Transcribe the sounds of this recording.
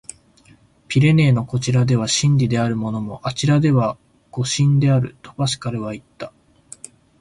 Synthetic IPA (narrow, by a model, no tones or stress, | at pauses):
pʲiɾe̞ne̞ːno̞ko̞t͡ɕiɾad̪e̞β̞aɕĩndʲid̪e̞aɾɯ̟mo̞no̞mo̞ʔat͡ɕiɾad̪e̞βa | ɡ̥o̞ɕĩnd̪e̞aɾɯ̟t̪o̞̥baɕi̥kaɾɯ̟βait̪ːḁ